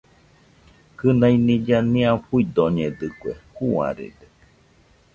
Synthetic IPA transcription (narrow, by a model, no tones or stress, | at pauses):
kɨnainĩd͡ʒanĩãɸuid̪oɲed̪ɨkʷḛhua̰ɾḛd̪e